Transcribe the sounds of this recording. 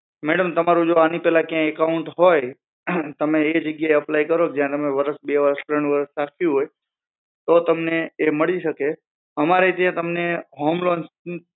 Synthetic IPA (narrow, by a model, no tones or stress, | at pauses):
mɛɽəmt̪əmaɾũd͡ʒoanipɛlãkjãekauɳʈɦoj | t̪əmeːd͡ʒəɡjaeəplajkəɾoked͡ʒjãt̪əmeʋəɾəsbeʋəɾəst̪ɾəɳ̃ũʋəɾəsːakʰjũɦoj | t̪ot̪əmneːməɭiʃəke | əmaɾet̪jãt̪əmneɦomlons